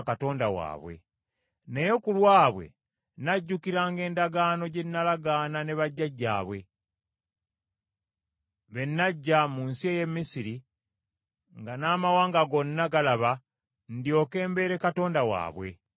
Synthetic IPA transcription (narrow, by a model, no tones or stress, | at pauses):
kato̞ːndawa̰ːβwe̞̰ | nejo̞kulwaːβwe̞̰ | naɟːukiɾaːŋɡe̞ːndaɡaːno̞ɟe̞nːalaɡaːnane̞βaɟːaɟːa̰ːβwe̞ | βe̞nːaɟːamunsieje̞mːisiɾi | ŋɡanaːmawaːŋɡaɡo̞nːaɡalaβa | ndjo̞ke̞ːmbe̞ːɾe̞kato̞ːndawa̰ːβwe̞̰